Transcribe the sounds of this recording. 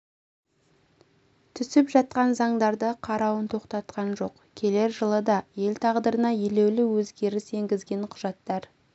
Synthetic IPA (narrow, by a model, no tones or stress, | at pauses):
t̪ʰʏsɪpʒɑt̪̚qɑnzɑɴd̪ɑɾd̪əqʰɑɾɑwənt̪ʰo̞qt̪ɑt̪qɑnʒo̞q | kʲʰe̞le̞ɾʒəlˠəd̪ɑje̞lt̪ʰɑʁd̪əɾənɑje̞le̞wlɪwɵzɡʲe̞ɾɪse̞ŋɡʲɪzɡʲe̞ɴqʰʊʒɑt̪ːɑɾ